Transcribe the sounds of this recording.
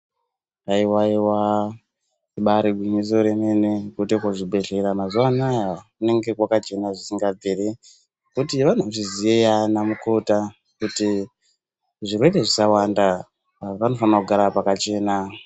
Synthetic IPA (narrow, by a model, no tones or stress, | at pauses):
aiwaiwa | eɓaɾibʱumis̬o̞ɾeme̞ne̞kutekoʐibʱe̞ɮeɾamazuanajaune̞ŋɡe̞kwakat͡ʃe̞naʐisiŋɡab͡vere | kutiʋan̤uʐiziejanamuko̞ta | kuti | ʐirweɗeʐisawanda | aʋano̞fanakuɡʱaɾapakat͡ʃe̞ːna